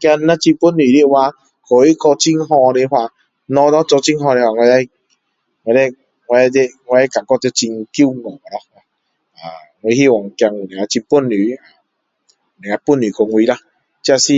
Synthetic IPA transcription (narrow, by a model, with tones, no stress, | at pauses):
kja˧nːa˦t͡ɕi˧pu˦˨nːi˨ɾi˦wa˧ | ko˨i˦kɔ˧t͡ɕi˦ŋɦɔ̃˧ɾe˧ɦwa˧ | nɔ̃˧dɔ˦t͡sɔ˧t͡ɕi˦ŋɦɔ̃˧ɾe˧hwa˧ŋwa˧a˦j | ŋ˧a˧e˦ | ŋwa˧a˦˧˦de˦˧ŋ˧˦a˦ka˨ŋkɔ˦˧t̪e˧t͡ɕi˧ŋki˦˨ŋɔ˨a˨˧ɔ˦a˨ | a˨ | ŋ˧e˧hi˦˨wɔ˨ŋ˨kja˧ŋ˨nẽ˨a˧t͡ɕi˧pu˦˨nːy˨˦a˨ | ne˨a˧pu˦˨ni˨˩ko˧ŋwi˧la˧˦ | t͡ɕi˦a˧si˦